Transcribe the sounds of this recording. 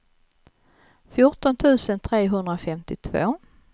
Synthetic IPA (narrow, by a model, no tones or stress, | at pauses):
fjʊʈɔnt̪ʰʉ̟ːsənt̪ʰɾeːɦɵnd̪ɾafɛmt̪ɪt̪ʰvo̰ː